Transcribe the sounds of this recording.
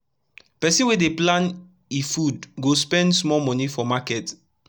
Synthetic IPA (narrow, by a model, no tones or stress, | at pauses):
pɛsĩnwedeplãn | ifudɡospɛ̃ndsmɔlmɔnifɔmakɛt